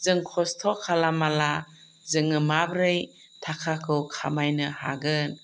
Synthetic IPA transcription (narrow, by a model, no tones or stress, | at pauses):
zɯŋkʰɔstʰɔkʰalamala | zɯŋɯmabɾɯj | tʰakʰakʰɯwkʰamajnɯha̰ɡɯn